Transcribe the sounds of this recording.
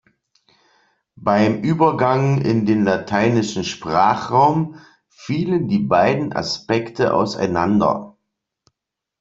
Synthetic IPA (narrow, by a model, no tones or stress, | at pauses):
b̥aɪmʔyːbɐɡaŋɪ̰ndeːnlatʰaɪnɪʃn̩ʃpʁ̥aːχʁaʊm | fiːləndiːbaɪdn̩ʔa̰spɛktʰəʔa̰ʊsa̰ɪnandɐ̰